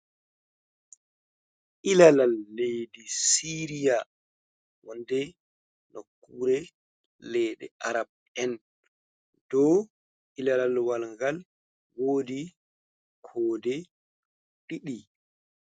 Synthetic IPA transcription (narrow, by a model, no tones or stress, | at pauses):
ʔilalalːejdisiɾija | wɔndɛ | nokːuɾɛ | lɛjɗɛ̰ʔaɾab̚ | ɛn | d̥ɔ | ʔilalalwalŋɡal | woːdi | kʰɔːdɛ | ɗiɗi